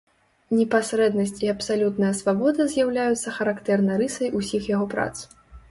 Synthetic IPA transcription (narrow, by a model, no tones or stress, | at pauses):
nʲɛpasɾɛd̪nɐsʲt͡sʲiɐpsalʲut̪nɐjɐsvabɔd̪ɐzʲjawlʲajut̪sːɐxɐɾakt̪ɛrnɐɾɨsɐjusʲixjaɣɔpɾa̰t̪s